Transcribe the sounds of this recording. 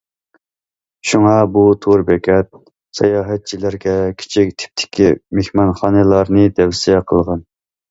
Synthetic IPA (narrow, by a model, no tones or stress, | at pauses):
ʃuŋɑbut̪ʰuɾbɛkʲʰɛt̪̚ | sɛ̰jɑːɦɛt̪̚t͡ʃʰilæɾɡʲɛkʲʰi̥t͡ʃʰik̚ʲt̪ʰɪ̥p̚t̪ʰɪ̥kʲʰimehmɑnχɑːnɨlˠɑɾnɨd̪ɛvsiɛqʰəlˠʁɑn